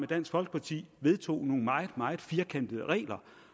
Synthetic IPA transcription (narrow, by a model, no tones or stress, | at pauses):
med̥æn̰sɡ̥fɒ̽lɡ̥ə̥pʰɑ̈t͡sʰḭːʋe̝ð̞ˠt͡sʰo̝̰ːno̝ːŋ̩mɑ̈ɪð̩ˠmɑ̈ɪð̩ˠfiːɐkʰen̰d̥əðˠəʁɛ̰ːlɐ